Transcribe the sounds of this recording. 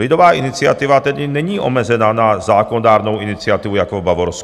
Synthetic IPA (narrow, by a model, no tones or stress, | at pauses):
id̪ɔʋaːinit͡sɪat̪iʋat̪ɛd̪inɛɲiːʔɔ̰mɛzɛnaːnazaːkɔnɔd̪aːɾnɔʊinit͡sɪat̪iʋujakɔbaʋɔɾɔs